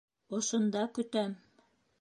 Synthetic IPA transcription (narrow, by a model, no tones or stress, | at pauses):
ŏʃŏnd̪ɑkɵ̆t̪æm